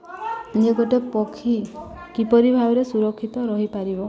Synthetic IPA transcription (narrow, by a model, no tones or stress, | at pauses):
neɡoʈepɔkʰi | kipɔɾibʱabɔɾesuɾɔkʰːit̪ɔɾɔɦipaɾibɔ